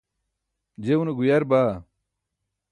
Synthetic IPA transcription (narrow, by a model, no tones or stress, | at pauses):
d͡ʑeuneɡujɐɾbaː